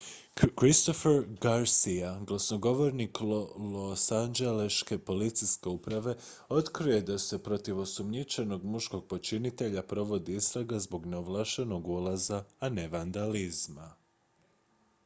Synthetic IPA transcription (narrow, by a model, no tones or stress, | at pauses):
kɾist̪o̞feɾɡaɾsiaɡlˠasno̞ɡo̞ʋo̞ɾniklosand͡ʒe̞leʃke̞po̞lit̪sijske̞upɾaʋe̞ | o̞t̪kɾije̞d̪ase̞pɾo̞t̪iʋo̞sumɲit͡ʃe̞no̞ɡmuʃko̞ɡ̚po̞t͡ʃinit̪e̞ʎapɾo̞ʋo̞d̪iist̪ɾaɡazbo̞ɡneoʋlˠaʃeno̞ɡulˠazaːne̞ʋand̪alizma